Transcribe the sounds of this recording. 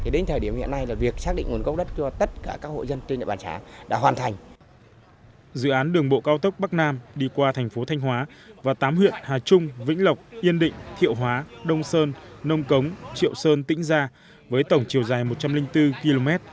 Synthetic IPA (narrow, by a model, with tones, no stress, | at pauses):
i˨˩ɗe˨˦n̟t̪ʰəː˨˩ɗi˧˩əmhḭ˧˨əna˧jlaː˨˩vi˨˩ək̚saː˦˥k̚ɗḭ˧˨ŋ̟ŋu˨˦nkə˦˥wk͡p̚ɗə˦˥t̚t͡ɕɔ˧t̪ə˦˥t̚kaː˧˩kaː˦˥k̚ho̰˧˨jzə˧nt͡ɕi˧ɲə̰˧˨˩ɓaː˨nt͡ɕa̰ː˨˦ɗa̰ː˧˥ɦwaː˨˩nt̪ʰa˨˩ŋ̟ | zɨ̰˧˨ʔaː˨˦nɗɨ˨˩əŋɓo̰˧˨kaː˧wt̪ə˦˥k͡p̚ɓa˦˥k̚naː˧mɗi˧kwaː˧t̪ʰɛ˨˩ŋ̟fo˨˦t̪ʰɛ˧jŋ̟ɦwaː˨˦ | vaː˨˩t̪aː˨˦mhwḭ˧˨ənhaː˨˩t͡ɕʊ˧ŋ͡mvḭ˧˥ŋ̟lə˨˩wk͡p̚ʔi˧ənɗḭ˧˨ŋ̟t̪ʰḭ˧˨əwɦwaː˨˦ɗə˧wŋ͡msəː˧nːə˧wŋ͡mkə˨˦wŋ͡mt͡ɕḭ˧˨əwsəː˧nt̪ḭ˧˥ŋ̟zaː˧ | vəː˨˦jt̪ə˧˩wŋ͡mt͡ɕi˨˩əwzaː˨˩jmo˨˩t̚t͡ɕa˧mlï˧ŋ̟t̪ɨ˧ki˧lo˧mɛ˦˥t̚